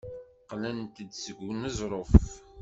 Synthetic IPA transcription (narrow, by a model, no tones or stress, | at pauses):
qlænt̪əd̪səɡənəzˤɾˤof